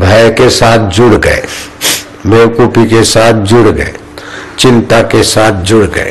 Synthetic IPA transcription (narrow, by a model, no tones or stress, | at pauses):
bʱəjkesaːt̪ʰd͡ʒʊɽɡə̰ḛ | mewkupikesaːt̪ʰd͡ʒʊɽɡə̰ḛ | t͡ʃɪ̃nt̪akesaːt̪ʰd͡ʒʊɽɡə̰ḛ